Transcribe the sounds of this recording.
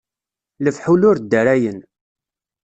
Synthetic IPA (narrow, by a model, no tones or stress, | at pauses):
ləfħulʊɾd̪ːəɾæjən